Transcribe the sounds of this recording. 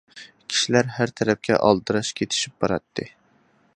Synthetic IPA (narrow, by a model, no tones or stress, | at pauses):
kʲʰi̥ʃilæɾɦæɾt̪ʰɛɾɛp̚kʲɛ̰ʔɑ̰lˠd̪ɨɾɑʃkʲʰet̪ʰɪ̥ʃip̚b̥ɑɾɑt̪ːɨ